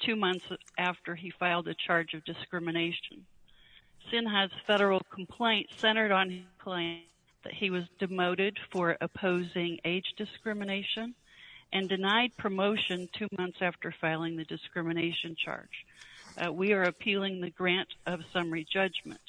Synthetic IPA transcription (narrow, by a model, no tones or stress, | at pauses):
tʰʉmʌ̃nθsʔæftə˞ifaɪlˠdɨt͡ʃʰɑɹd͡ʒʌvdɨskɹɪmɨneɪʃn̩ | sɪ̃nɦɨz̥fɛɾə˞l̩ˠkʰm̩pʰl̥ẽɪ̃ntsɛ̃ɾ̃ə˞ɾn̩ɪz̥kʰl̥ẽɪ̃n | ðɨ̰t̚hiwʌzdɨmoʊɾɪd̥fə˞ʔɨpʰoʊzɪ̃ŋeɪd͡ʒdɨskɹɪmɨneɪʃɨ̃n | ʔɨ̃ndɨnaɪd̚pʰɹ̥ɨmoʊʃɨ̃ntʰʉmʌ̃nθsæftə˞faɪlˠɪ̃ŋðɨdɨskɹɪ̃mɨneɪʃɨ̃nt͡ʃʰɑ̰ɹd̥d͡ʒ̥ | wiə˞ɨpʰilˠɪ̃ŋðɨɡɹæ̃ntʌv̥sʌ̃mə˞id͡ʒʌd͡ʒmɨ̰̃nt̚